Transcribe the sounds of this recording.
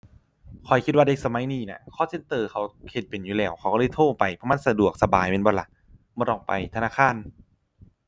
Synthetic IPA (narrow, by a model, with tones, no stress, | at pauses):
kʰɔ˨˩jkʰi˧t̪̚waː˧de˧˩k̚sa˧ma˧˥˦jniː˧˩na̰˧˩kʰɔː˥˩se˧˥nt̪ɤː˧˩kʰa˨˦wkʰe˧˩t̪̚pe˨˦njuː˨˩lɛː˧˩wkʰa˨˧˦wkɔː˧˩˧ɤ˧˥˩jt̪ʰoː˥˩pa˨˩jpʰɔ˧˥ma˧˥˨nsa˧du˨˩ək̚sa˧baː˨˩jpe˧nbɔː˧˦nla˧˩ʔ | bɔː˧˦nʔɔː˨˩pa̰˨˩jt̪ʰa˧naː˧˥˩kʰaː˧˥˨n